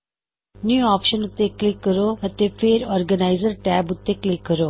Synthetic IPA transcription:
njuːɔːpʃənut̪ːeklikːəɾoət̪efʰeːɾɔːɾɡənaɪzəɾʈɛːbut̪ːeklikːəɾo

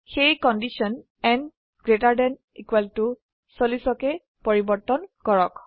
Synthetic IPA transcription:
xejkɔndisiɔn | ɛn | ɡ̥ɹetaɹdɛn | ikwɛltu | solisɔkɛ | poɹibɔɹtɔnkɔɹɔk

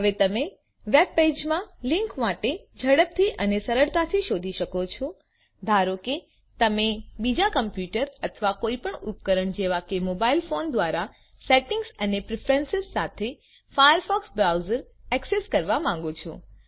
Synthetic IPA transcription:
ɦəʋet̪əmẽ | ʋeb̚ped͡ʒmãlɪ̃ŋkʋaʈed͡ʒʱəɽəp̚t̪ʰiʔənesəɾəɾt̪at̪ʰiʃod̪ʱiʃəkot͡ʃʰɔ | d̪ʱaɾoke | t̪əmẽbid͡ʒakəmpjuʈəɾət̪ʰəʋakoːipəɳupkəɾəɳd͡ʒeʋakemobailfond̪ʋaɾa | seʈɪ̃ŋɡsənepɾɪfʰɾẽnsɪzsat̪ʰe | fajəɾfɔksbɾawzəɾ | ɛkseskəɾʋamãŋ̆ɡot͡ʃʰɔ̰

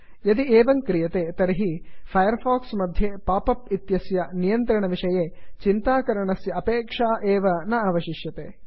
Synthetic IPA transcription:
jɐd̪ieːʋɐŋkɾijɐt̪et̪ɐɾiɦipʰɐjɐɾpʰaːksmɐd̪ʱjepaːpɐpit̪jɐsjɐnijɐnt̪ɾɐɳɐʋiʂɐjet͡ʃint̪aːkɐɾɐɳɐsjɐɐpeːkʂaːʔɛːʋɐnɐɐʋɐʃiʃjɐt̪eː

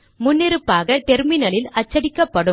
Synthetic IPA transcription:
mʊnːɪɾɯpːaːɣɐt̪ɛɾmɪnɐlɪlɐt͡ʃːɐɽɪkːɐpːɐɽɯ

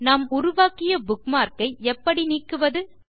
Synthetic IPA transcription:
nɐmʊɾʊʋaːkɪjɐbʊkmaːɾkɐɪɛpːɐɽiniːkːɯʋɐðɯ

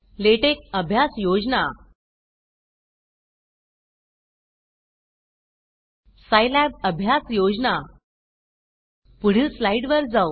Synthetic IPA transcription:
leʈek̚əbʱjasjod͡ʑna | sajlab̚əbʱjasjod͡zna | puɽ̤iːslaiɖʋəɾd͡zaw

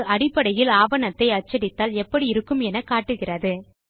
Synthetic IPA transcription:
ʔɐɽɪpːɐɽɐjɪlaːbɐnɐt̪ːɐɪɐt͡ʃːɐɽɪt̪ːaːlɛpːɐɽiɪɾɯkːɯmɛnɐkaːʈːɯɣɪrɐðɯ

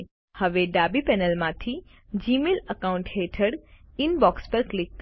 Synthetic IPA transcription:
həʋeɖabipɛnəlmãt̪ʰi | d͡ʒimeləkaũɳʈɦeʈʰəɽɪnbɔkspəɾklɪk̚t̪

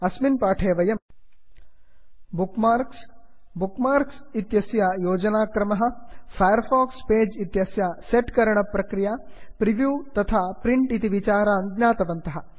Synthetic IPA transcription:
ɐsminpaːʈʰeːʋɐjɐm | bukmaɾks | bukmaːɾksit̪jɐsjajoːd͡ʒɐnaːkɾɐmɐɦɐ̆pʰɐjɐɾpʰaːkspeːd͡ʒit̪jɐsjaseʈkɐɾɐɳɐpːɾɐkɾijaːpɾiʋjuːt̪ɐt̪ʰaːpɾiɳʈit̪iʋit͡ʃaːɾaːnd̪ɲaːt̪ɐʋɐnt̪ɐɦɐ

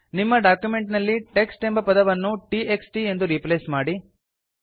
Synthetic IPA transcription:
nimːɐɖaːkjume̞ɳʈnɐlːiʈe̞ksʈe̞mbɐpɐd̪ɐʋɐnːuʈieksʈie̞nd̪uɾipleːsmaːɽi

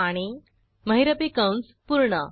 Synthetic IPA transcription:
aɽ̃i | məɦiɾəpikawns | puɾɳə

